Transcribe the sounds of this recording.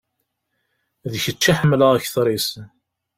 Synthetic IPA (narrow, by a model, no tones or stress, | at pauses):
ðçət͡ʃːaħəmːləʁæçθɾˤis